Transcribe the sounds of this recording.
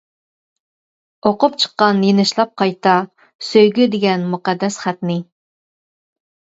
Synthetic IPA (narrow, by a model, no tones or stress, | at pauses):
oqʊpt͡ʃʰə̥qːɑnjenɪʃlˠɑp̚qʰɑjt̪ɑ | søjɡʲyd̪ɪɡʲɛnmuqɑd̪ːɛsχæt̪nɪ